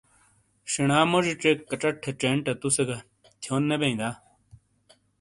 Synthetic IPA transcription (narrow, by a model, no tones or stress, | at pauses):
ɕiɳaːmoʐiʈ͡ʂekːɐʈ͡ʂɐʈʰːeʈ͡ʂeɳʈɐt̪useɡɐ | t̪ʰjoːnːebeĩd̪aː